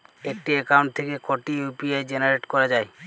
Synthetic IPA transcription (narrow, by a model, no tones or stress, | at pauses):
ek̚ʈiɛkawɳʈ̚t̪ʰekekoʈijupiajd͡ʑenaɾeʈkɔɾad͡ʑae